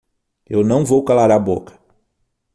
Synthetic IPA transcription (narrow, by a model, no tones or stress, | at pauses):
ewnɐ̃w̃vowkalaɾabokɐ̥